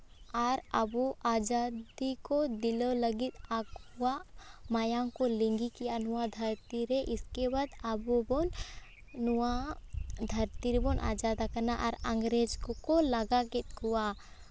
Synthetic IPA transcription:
aːɾɐboʔaːd͡ʒaːdd̪ikod̪ɪlolɐɡɪt̪akwamaːjakolɪ̃ŋɡikijanuwad̪ʱɐɾt̪iɾeʔɪskebaːd̪abobon | nua | d̪ʱɐɾt̪iɾebonʔa̰ːd͡ʒaːd̪akɐɾnaʔɔɾɐ̃ŋɡɾed͡ʒkkolɐɡaket̪kuwa

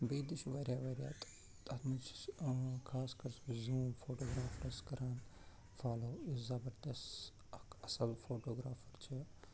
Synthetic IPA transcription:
beːd̪iʃʋɐɾʲjaːʋɐɾʲja̰ːt̪ | t̪ɐt̪ʰmɐnt͡ʃʰkʰaːskɐɾszuːmfʰoːʈoːɡɾaːfɾɐskɐɾaːn | fʰaːloːizɐbɐɾd̪ɐs | ɐkɐsɐlfʰoːʈoːɡɾaːfʰɐɾt͡ʃʰi

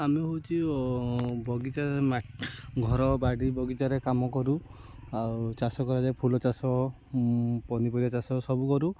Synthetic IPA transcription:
ameɦowt͡ʃʰi | bʱɔɡit͡ʃaemaɡʱɔɾɔbaɽibɔɡit͡ʃaɾekamɔkɔɾu | awt͡ʃasɔkɔɾad͡ʒajpʰulɔt͡ʃasɔ | pɔnipɔiat͡ʃasɔsɔbukɔɾu

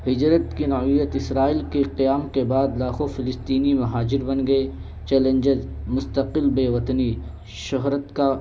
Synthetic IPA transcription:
ɦɪd͡ʒɾət̪kinɐijət̪ɪsɾaːiːlkeqijaːmkebaːd̪laːxofʰɪlɪst̪iːnimɐɦaːd͡ʒɪɾbɐnɡɐe | t͡ʃɛːlə̃ɲd͡ʒəzmʊst̪əqɪlbeːʋɐt̪ni | ʃʊɦɾət̪ka

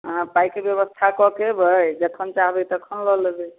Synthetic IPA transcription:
ɦãpaikebjeβəst̪ʰakɔkebʱəjd͡ʒəkʰənt͡ʃaɦbet̪əkʰənlɔlebe

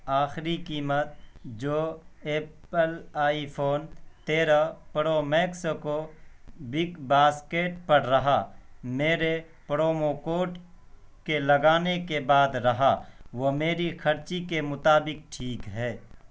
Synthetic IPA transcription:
aːxɾikiːmət̪̚d͡ʒoːeː | əlaːipʰoːnt̪eːɾapɾoːmɛːksko | bɪkbaːskeːʈpɐɾɾɐɦameːɾe | pɾoːmokoːʈ | kelɐɡaːnekebaːd̪ɾɐɦaʋomeːɾixʰɐɾt͡ʃikemʊt̪aːbɪk̚ʈʰiːkɦɛː

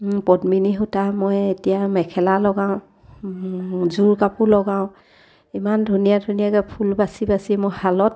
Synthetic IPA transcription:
pɔdminiɦutamɔjetijamɛkʰɛlalɔɡãʊ̃ | zuɹkapulɔɡaʊ̃ | imandʱunijadʱunijakɛpʰulbasibasimɔjhalɔt̚

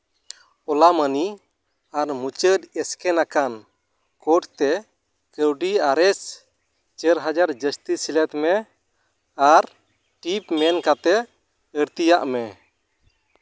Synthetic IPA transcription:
ɔlaməni | aɾmut͡ʃəd̪ɛskɛnakan | kɔʈt̪ɛ | kəwɖiaɾɛs | t͡ʃəɾɦad͡ʒaɾd͡ʒəst̪isilɛt̪mɛ | aɾ | ʈipmɛnkat̪ɛ | əɾt̪ijaʔmɛ

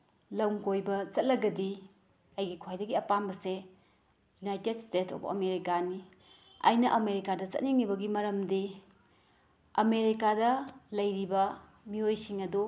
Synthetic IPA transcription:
lɐwŋkojbɐt͡ʃɐt̚lɐɡɐdi | ɐjɡikʰajdɐɡiɐpambɐse | junajtedstetʰo̰pɐ̰meɾikani | ɐ̰jnɐʔɐmeɾikadɐt͡ʃɐ̰t̚niŋːibɐɡimɐɾɐmdi | ɐmeɾikadɐlɐjɾibɐ | miojsiŋɐdu

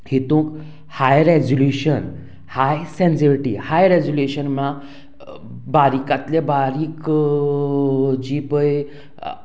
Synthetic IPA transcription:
hit̪ũk | hajɾed͡ʑuljuɕən | hajsẽnseɾiʈḭhajɾed͡ʑuluɕənmã | baɾikat̪lebaɾiːk | d͡ʑipəj

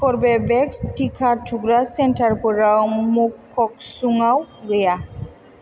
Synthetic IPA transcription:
kɔɹbɛbɛkstʰikʰatʰuɡɹasɛntaɹpɔɹamukʰːɔksuŋawɡeja

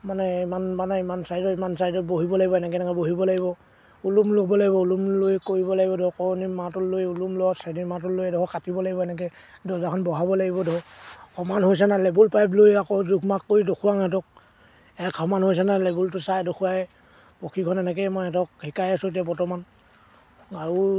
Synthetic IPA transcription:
manɛimanmanɛimansajtɔimansajdɔt̚boɦibɔlaɡibɔɛnɛk̬ɛnɛkɔboɦibɔlaɡibɔ | ulumloɡbɔlaɡibɔulumlojkoɹibɔlaɡibɔdɔɔkɔɹnimatulːojulumlɔɔsadimat̬ulojɛdɔkɔkatibɔlaɡibɔɛnɛk̬ɛ | dɔzakʰɔnbɔɦabɔlaɡibɔdɔɦɔhɔmanɦojs̬analebulpajp̬lojakɔzuɡmakːoɹidokʰuwaŋɛt̬ɔk̚ | ɛkhɔmanɦojs̬analɛbultʊsajdokʰuwaɛ | pɔkʰikʰɔnɛnɛk̬ɛmɔjɛtɔkhikajasut̬iapɔtɔman | aɹu

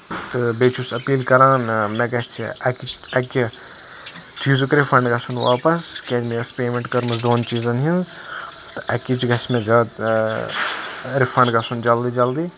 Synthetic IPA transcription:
t̪ɨbeːt͡ʃʰusɐpiːlkɐɾaːnmẽɡɐt͡ʃʰiɐkɐkʲi | d͡ʒʰiːzukɾifɐɳɖɡɐsunʋa̰ːpɐskʲed͡ʒmeːɐspeːmẽɳʈkɐɾmɐsd̪oːnt͡ʃiːzɐnɦinz | t̪ɨʔɐkːit͡ʃiɡɐsmẽzʲaːd̪ | ɾifʰɐɳɖɡɐsund͡ʒɐld̪iːd͡ʒɐld̪iː

